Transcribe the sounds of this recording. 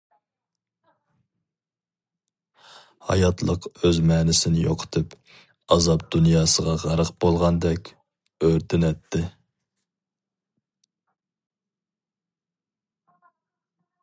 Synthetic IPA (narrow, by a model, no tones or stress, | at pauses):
hɑ̰jɑt̪ʰlˠəqøzmɛːnɪsɪnɪjo̰qʰə̥t̪ʰɨp | ɑzɑp̚d̪unjɑːsəʁɑʁæɾəqb̥olˠʁɑnd̪ɛkʲ | øɾt̪ʰɪnɛt̪ʰːɪ